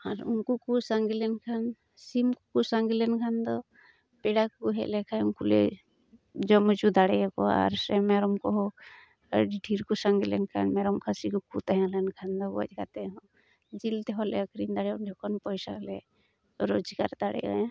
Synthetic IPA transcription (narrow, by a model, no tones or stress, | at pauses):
aɾṵnkukusaŋɡilɛnkʰan | simkukusaŋɡilɛnkʰand̪ɔ | pɛɽakkuɦɛ̰ʔlɛkʰaunkulɛ̰ | d͡ʒɔmɔd͡ʒud̪aɽɛkɔa̰ɾsɛmɛɾɔmkɔɦɔ | ɖiʈʰiɾkusaŋɡilɛ̰nkʰa̰nmɛɾɔmkʰasikɔkut̪aɦãlɛnkʰand̪ɔbɔ̰d͡ʒkat̪ɛɦɔ | d͡ʒilt̪ɛɦɔlɛ̰əkɾind̪aɽɛɔndɔkʰɔnpɔjsa̰lɛ | ɾɔd͡ʒika̰ɾd̪aɽɛ̰ɡa̰ã